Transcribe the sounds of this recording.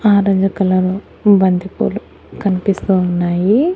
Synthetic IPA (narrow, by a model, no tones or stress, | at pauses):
aːɾɐd͡ʒɐkɐlɐɾu | bɐnd̪ipṵlu | kɐnipist̪uunːaːji